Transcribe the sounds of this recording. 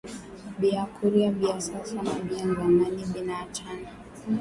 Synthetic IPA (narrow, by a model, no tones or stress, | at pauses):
biakʰuɾiaɓiasasamaɓiazamaniɓinat͡ʃana